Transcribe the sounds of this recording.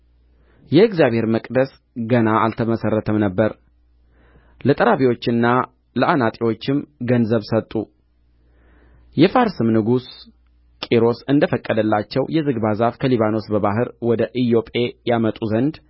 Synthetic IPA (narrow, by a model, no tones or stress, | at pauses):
jɛɨɡzijaβhe̞ɾməkʼd̪əs | ɡənaalt̪ʰəməsərːət̪ʰəmnəbːəɾ | lət̪ʼəɾaβiwo̞t͡ʃːɪnːa | ləʔanat̪ʼiwo̞t͡ʃːɪmɡənzəβsət̪ʼːu | jɛfaɾsɨmnɨɡus | kʼiɾo̞sɨnd̪əfəkʼːəd̪əlːat͡ʃːɛwjɛzɨɡbazafkʰəliβano̞sbəβaɦɨɾwɔd̪əʔɨjo̞pʼe̞jamət̪ʼuzənd̪